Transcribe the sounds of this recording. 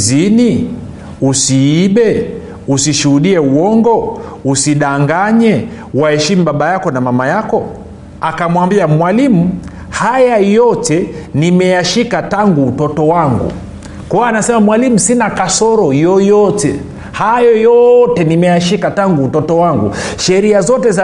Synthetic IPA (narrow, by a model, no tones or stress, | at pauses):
zini | usiiɓɛ | usiʃuhuɗiɛuwɔŋɡɔusiɗaŋɡaɲɛ | wahɛʃimuɓaɓajakɔnamamajakɔ | akamwambiamwalimu | hajajɔtɛnimɛjaʃikataŋɡuːtɔtɔwaŋɡṵ | kɔanasɛmamwalimusinakasɔɾɔjɔjɔtɛ | hajɔjɔtɛnimɛjaʃikataŋɡuːtɔtɔwaŋɡṵʃɛɾiazɔtɛz